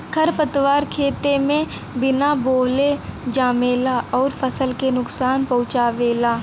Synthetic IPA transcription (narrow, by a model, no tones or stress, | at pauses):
kʰɐɾpət̪waːɾkʰeːt̪emẽ | bɪnaboːled͡ʒaːmeːlaʔɔːɾfʰɐsəlkenʊksaːnpɐɦʊt͡ʃaːʋeːlaː